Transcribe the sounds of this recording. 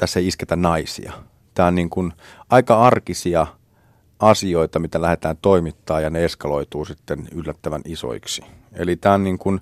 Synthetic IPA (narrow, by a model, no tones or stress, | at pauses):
t̪æsːeisket̪ænnɑisḭɑ̰ | t̪æːonniŋkun | ʔɑikɑɑrkisiɑ | ɑsioit̪ɑmit̪ælæhet̪æːnt̪oimit̪ːɑːjɑneeskɑloit̪uːsit̪ːenylːæt̪ːæʋæniso̰iksiḛlit̪æːonniːŋkun